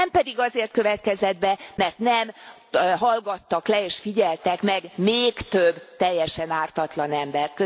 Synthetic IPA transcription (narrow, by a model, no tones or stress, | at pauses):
ɛmpɛd̪iɡɒzeːrt̪̚køvɛt̪̚kɛzɛd̪bɛmɛrt̪nɛm | ɦɒlɡɒt̪ːɒklɛeːʃfiɟɛlt̪ɛkmɛɡmeːkt̪øbːt̪ɛjːɛʃɛnaːrt̪ɒt̪lɒnɛmbɛrt̪̚kø